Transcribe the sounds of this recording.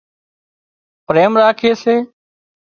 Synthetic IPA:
pɾeːmɾaːkʰeːseː

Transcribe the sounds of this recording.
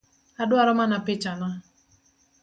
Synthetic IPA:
adwaɾɔmanapɪt͡ʃana

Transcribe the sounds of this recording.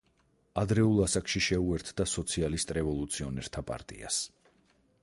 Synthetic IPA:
ad̪ɾɛulˠasakʃiʃɛuɛɾt̪ʰd̪asɔt̪sʰialist̪ʼɾɛvɔlˠut̪sʰiɔnɛɾt̪ʰapʼa̰ɾt̪ʼḭa̰s

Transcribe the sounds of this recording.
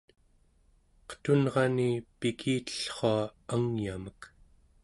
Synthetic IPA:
qə̥t̪unʁɑnipikʰiːt̪ə̥ɬχoaaŋjamək

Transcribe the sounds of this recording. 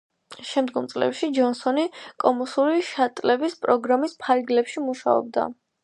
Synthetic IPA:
ʃɛmd̪ɡɔmt̪sʼlɛ̰pʃid͡ʒɔnsɔnikʼɔmɔsuɾiʃat̪ʼlɛbispʼɾɔɡɾamispʰaɾɡlɛpʃimuʃa̰ɔ̰b̚d̪a̰

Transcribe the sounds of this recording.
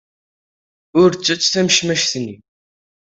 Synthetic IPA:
ʊɾt͡sːæt͡sːθæməʃmæʃθnːi

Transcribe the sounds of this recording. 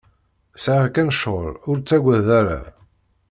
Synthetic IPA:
sʕakænʃʁə̰ɾʊɾt͡sːæɡʷæðæɾa̰

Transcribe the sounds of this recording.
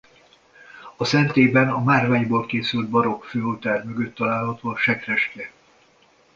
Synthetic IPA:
ɒsɛnt̪eːbɛnɒmaːrvaːjbolkeːsylt̪̚bɒɾo̞kføːot̪aːrmø̞ɡø̞t̪ːɒlaːlɦɒt̪oːɒʃɛkrɛʃkɛ

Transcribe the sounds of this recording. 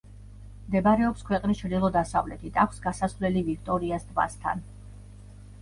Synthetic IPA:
md̪ɛbaɾɛɔpskʰwɛqʼnist͡ʃʰɾd̪ilˠɔd̪asa̰vlɛt̪ʰit̪ʰakʷʰsɡasasvlɛlivik̚ʰt̪ʼɔɾiast̪ʰva̰st̪ʰa̰n

